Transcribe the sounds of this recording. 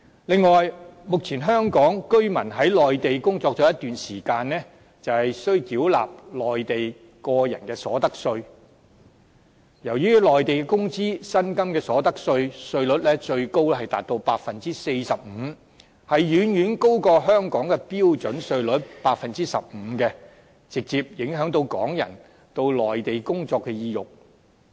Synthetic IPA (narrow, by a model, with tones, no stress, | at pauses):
lɪ˨ŋːɔː˨jmʊ˨k̚t͡sʰiː˨˩nɦœː˥ŋkɔː˨˥ŋkɵ˥ɥmɐ˨˩nɦɐ˨˥jlɔː˨jt̪e˨jkʊ˥ŋt͡sɔː˧k̚t͡ʃɔː˨˥jɐ˥t̪yː˨nsiː˨˩kaː˧nnɛː˥ | t͡sɐ˨whɐ˨jsɵ˥ɥk̪iː˨˥wla̰ː˨p̚lɔː˨˩jt̪e˨j | kɔː˧jɐ̰˨˩nkɛː˧sɔ̰ː˨˥t̪ɐ˥k̚sɵ˧ɥ | jɐ˨˩wjyː˥lɔː˨jt̪e˨jkɛː˧kʊ˥ŋt͡siː˥sɐ˥nkɐ˥mkɛː˧sɔː˨˥t̪ɐ˥k̚sɵ˧ɥsɵ˧ɥlɵ˨˥t̚lɛː˥t͡ʃɵ˧ɥko˥wlɛ˥hɐ˨jt̪aː˨t̚t̪o˧wpaː˧t̚fɐ˨nt͡siː˥se˧jsɐ˨p̚m̩ː˨˧ | hɐ˨jɥyː˨˥njyː˨˥nko˥wkɔː˧ɦœː˥ŋkɔː˨˥ŋkɛː˧piː˥wt͡ʃɵ˨˥nsɵ˧ɥlɵ˨˥t̚paː˧t̚fɐ˨nt͡siː˥sɐ̰˨p̚m̩ː˨˧˦kɛː˧ | t͡sɪ˨k̚t͡siː˨p̚jɪ˨˥ŋɦœː˨˥ŋt̪̬o˧wkɔ̰ː˨˥ŋjɐ̰˨˩n | t̪o˧wlɔː˨jt̪e˨jkʊ˥ŋt͡sɔː˧kːɛ˧jiː˧jʊ˨˩k̚